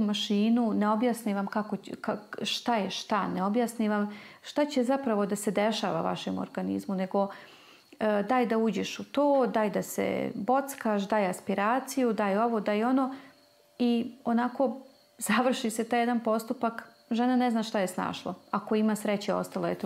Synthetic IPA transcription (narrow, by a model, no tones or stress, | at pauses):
maʃiːnuneo̞bjasniʋamkakokaʃt̪ajeʃt̪aneo̞bjasniʋamʃt̪at͡ɕe̞zapɾaʋo̞d̪ased̪eʃaːʋa̰ʋa̰ʃemo̰ɾɡanḭzmune̞ɡo̞ | d̪aːjd̪auːd͡ʑeʃut̪oːd̪aːjd̪asḛbo̞t̪skaʃd̪aːjeaspiɾaːt̪sijud̪aːjeo̞ʋo̞d̪aːjeo̞noː | io̞nako̞ | z̥aʋr̩ʃiset̪aːjed̪anpo̞st̪upak | ʒenane̞znaːʃt̪ajesna̰ːʃlˠo̰ako̞imaːsɾet͡ɕeo̞̰st̪alˠojet̪o